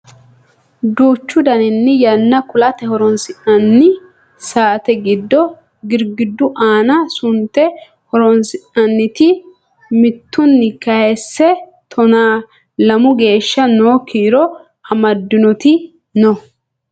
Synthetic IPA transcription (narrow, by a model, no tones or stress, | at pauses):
d̪uːt͡ʃːʊd̪ɐnɪnːɪjɐnːɐkʊlɐt̪ɛhɔɾɔnsɪʔɐnːɪ | saːt̪ɛɡɪd̪ːɔ | ɡɪɾɡɪd̪ːʊʔaːnɐsʊnt̪ːɛ | hɔɾɔnsɪʔɐnːɪt̪ɪ | mɪt̪ːʊnːɪkɐhɛsːɛt̪ʰɔnaː | lɐmʊɡe̞ːʃːɐnoːkʰiːɾɔ | ɐmɐd̪ːɪnɔt̪ɪ | nɔ